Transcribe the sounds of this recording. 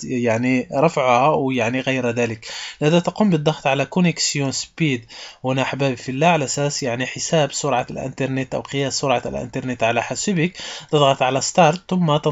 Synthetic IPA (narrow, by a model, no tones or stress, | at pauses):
jaʕniɾˤɑfʕhawjaʕniɣæjɾæd̪æləklʔæd̪æt̪ɑqumbəd̪ˤːɑxt̪ˤʕalækʊnəksjunspid̪wənaħbæbfilːæʕalʔæsæsjaʕniħəsæbsʊɾˤʕɑlʔə̰nt̪ɑɾˤnet̪ʔæ̰wqəjæsːʊɾˤʕɑ̰lʔə̰nt̪ɑɾˤnet̪ʕalæħasəbəkt̪əd̪ˤɣɑt̪ʕalæst̪ɑɾˤt̪θʊmːat̪ə